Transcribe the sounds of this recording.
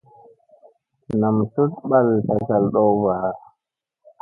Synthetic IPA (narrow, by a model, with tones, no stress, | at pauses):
na˨mtu˦tɓa˦lta˨ka˨lɗɔ˦baː˨